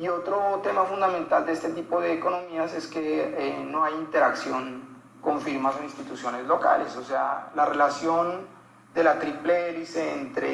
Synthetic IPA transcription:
io̞t̪ɾo̞t̪e̞mafund̪ament̪ald̪eest̪e̞t̪ipo̞ðe̞ːko̞no̞miase̞ske̞enoajint̪e̞ɾaksjo̞ŋ | ko̞ɱfiɾmasoinst̪it̪usjo̞nezlo̞ka̰lesosea̰larelasjo̞n | d̪e̞lat̪ɾipleɾiseent̪ɾḛ

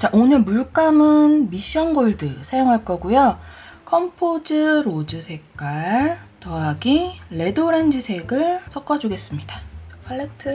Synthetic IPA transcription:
t͡ɕaʔoɲɯɭmuɭk͈amɯnmiɕ͈ʌnɡoɭdɯsʰajoŋɦaɭk͈ʌɡujʌkʰʌmpʰod͡ʑɯɾod͡ʑɯsʰe̞k̚k͈aɭɭtʌaɡiːe̞doɾend͡ʑisʰe̞ɡɯɭsʰʌk͈ʌd͡ʑuɡe̞s͈ɯmɲidapʰaɭːetʰɯ

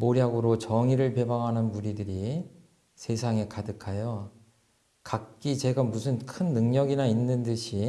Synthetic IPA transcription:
moɾjaɡɯɾot͡ɕʌŋiɾɯɭpe̞baŋɦanɯnmuɾidɯɾi | sʰe̞sʰaŋe̞kadɯkʰajo | kak̚k͈it͡ɕe̞ɡamusʰɯnkʰɯnːɯŋɲʌɡinainːɯndɯɕʰi

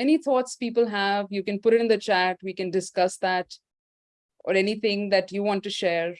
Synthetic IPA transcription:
ɛnit̪ʰɔːʈspiːpəlɦævjuːkɛ̃npʊɾɪʈɪ̃nd̪ət͡ʃæʈwikɛ̃nɖɪskʌsd̪æʈ | ʔɔ̰ɾɛnit̪ʰɪ̃ŋd̪æʈjuʋɔ̃ːnʈːuʃɛːɾ

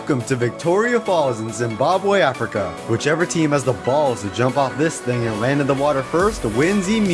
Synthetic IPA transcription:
kə̃mtʰɨvɨk̚tʰɔɹiɨfɑlˠzɨ̃nzɨ̃nbɑbweɪæfɹɨkə | wɨt͡ʃɛvɹitʰĩmɨzðəbɔlˠz̥tɨd͡ʒʌ̃mpɔʊt̪̚ðɪsθɪ̃ŋɨ̃nlæ̃ndɨd̪̚ðəwɔɾə˞fɜ˞stwɪ̃nzim

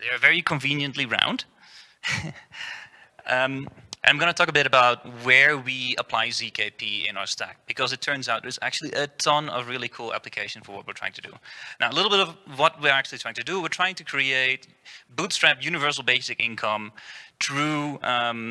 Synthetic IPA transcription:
ðeɪə˞vɛɹikʰə̃ɱvĩnjɨ̃nʔliɹã̰ʊ̃nd̥ | ʌmʔɨ̰̃nãɪ̃mɡʌnətʰɔkəbɪɾɨbaʊt̚wə˞wiəpʰl̥aɪzikʰeɪpʰiɪ̰̃naʊə˞stæ̰k̚b̥ɨkʰʌzɨtʰɜ̃˞nzaʊt̚ðɨzæ̰k̚t͡ʃʉl̩ˠiʔətʰʌ̃nʌ̰vɹɪlˠikʰulˠæ̰plɨkʰeɪʃn̩fə˞wʌt̚wɨtʰɹ̥aɪɪ̃ŋtʰɨdɨ̰naʊəlɪɾl̩ˠbɪɾʌvwʌt̚wiɹæk̚t͡ʃʉl̩ˠtʰɹaɪɪ̃ŋtʰɨdɨwɨɹtʰɹ̥aɪɪ̃ŋtʰɨkʰɹ̥ieɪt̚ | b̥utstɹ̥æpjʉnɨvɜ˞sl̩ˠbeɪsɨkɪ̰̃nkʰʌ̃mθɹuʌ̃m

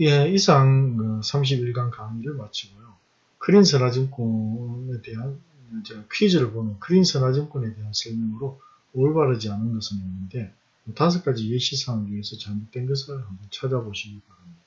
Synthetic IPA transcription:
jeisʰaŋkɯsʰamɕ̬ʰibiɭɡankaŋiɾɯɭmat͡ɕʰiɡojo | kɯɾinsʰɯnad͡ʑimk͈onete̞ɦan | t͡ɕeɡakʰid͡ʑɯɾɯɭbomjʌnkɯɾinsʰɯnad͡ʑimk͈one̞te̞ɦansʰɯɭmʌŋɯɾo | oɭbaɾɯd͡ʑianɯnɡʌsʰɯninːɯnde̞ | ʌtas̬ʰɯk͈ad͡ʑijeɕʰisʰaŋeiɦesʰʌt͡ɕaɭmok̚t͈we̞nɡɯsʰɯɯɭhambʌnt͡ɕʰad͡ʑaboɕʰiɡikanaɲida

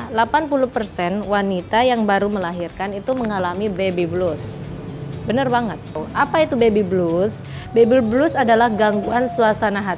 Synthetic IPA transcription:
lapanpuluhpərsɛnwanit̪ajaŋbaɾuməlaɦirkanit̪uməŋalamibebiblus | bənərbaŋət̪̚ːuʔapait̪ubebiblus | bebilblusadalahɡaŋɡuansuasanaɦa

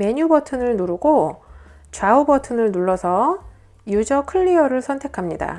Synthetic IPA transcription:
me̞ɲubʌtʰɯnɯɭnuɾuɡo | t͡ɕaubʌtʰɯnɯɭnuɭːʌsʰʌ | jud͡ʑʌkʰɯɭːiʌɾɯɭsʰʌntʰe̞kʰamɲida̰

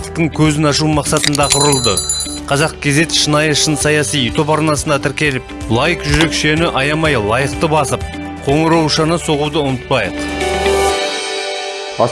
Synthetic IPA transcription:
əqt̪əɴkʲʰɵzɪnɑʃ̬umɑqsɑt̪ənd̪ɑqʰʊɾəlˠd̪ə | qʰɑzɑq̚kʲʰe̞ze̞t̪ʃənɑjəʃənsɑjɑsijut̪ʰo̞pɑɾnɑsənd̪ɑt̪ʰɪɾkʲe̞lɪp̚ | lˠɑjəkʒʏɾe̞kʃe̞nɪʔɑjɑmɑjlˠɑjəqt̪əbɑsəp̚ | qʰo̞ɴəɾɑwʃɑnəso̞ʁud̪əʊnət̪̚pɑjəq

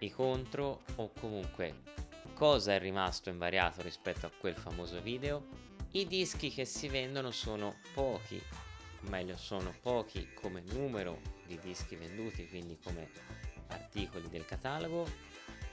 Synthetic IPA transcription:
ikont̪ɾoːkʰːomuŋkwekʰɔːzaɛrːimast̪oiɱvaɾja̰ːt̪oɾispɛt̪ːoakːwelfamoːzoviːd̪eo | id̪isk̟ik̟esːivɛnd̪onosoːnopɔːk̟ʰḭomːɛʎːosoːnopɔːk̟ḭkʰomenuːmeɾo̰d̪id̪isk̟ivend̪uːt̪ikwind̪ikome | a̰rt̪iːkolid̪elkat̪aloɡo

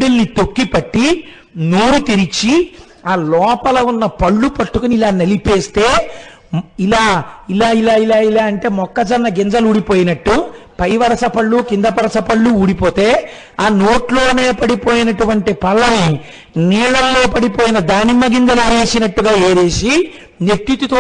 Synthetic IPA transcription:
ɽilnit̪okːipɐʈːi | noːɾut̪iɾit͡ʃi | aːlɔːpɐlɐunːɐpɐɭːupɐʈːukuniilaːnɐlipe̞ːst̪e̞ː | ilaːilaːilaːilaːilaːɐɳʈe̞ːmɔkːɐt͡ʃɐnːɐɡind͡ʒɐluːɽipo̞ːjinɐʈːupɐjʋɐɾɐsɐpɐɭːukind̪ɐpɐɾɐsɐpɐɭːuːɽipo̞ːt̪e̞ː | aːnoːʈlo̞ːne̞ːpɐɽipo̞ːjinɐʈuʋɐɳʈipɐlːɐni | niːɭɐllo̞ːpɐɽipoːjinɐd̪aːnimɐɡind̪ɛlaːʋeːsinɐʈːuɡaːeːɾe̞ːsi | neɾt̪jut̪ut̪oː

